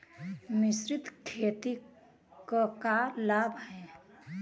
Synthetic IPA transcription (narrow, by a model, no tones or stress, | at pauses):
mɪsɾɪt̪kʰeːt̪i | kkalaːbʱɦɛ